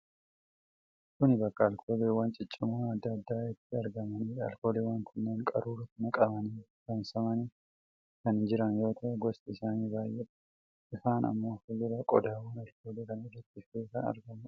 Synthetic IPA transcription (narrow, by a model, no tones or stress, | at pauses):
kʊnɪbɐkːɐːlkʰo̞ːleːwɐnt͡ʃʼɪt͡ʃʼːɪmuːɐd̪ːɐːd̪ːaːɪt̪ːɪɐɾɡɐmɐniːɐ̰lkoːleːwɐŋkʰɛnːeːŋkʼɐ̰ɾuːɾɐt̪nɐkʼɐbɐniːkɐnsɐmɐni | kɐnd͡ʒɪɾɐnjo̞ːt̪ʰɐʔɛɡɔst̪ɪɪsaːniːbaːjʔːɛᶑɐ̥ | ʔɪfaːnɐ̰mːo̞ːfɐjʊɾɐkʼɔd̪aːwɐnɐlkʰo̞ːleːkɐnɐɪdɐt̪ːɪfteːkɐnɐ̰ɾɡɐmɐ